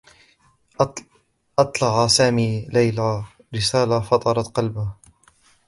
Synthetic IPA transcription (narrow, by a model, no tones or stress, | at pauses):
ʔɑt̪ˤlɑʕasaːmiːlajla | ɾɪsaːlafɑt̪ˤɑɾˤɑt̪qɑlbah